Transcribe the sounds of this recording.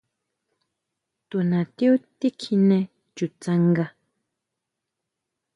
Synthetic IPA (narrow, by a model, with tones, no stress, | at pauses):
t̪u˨nã˨t̪i˦u˦t̪i˦kʰi˧nɛ̃˧ | t͡ʃu˨t͡sã˧ŋɡa˧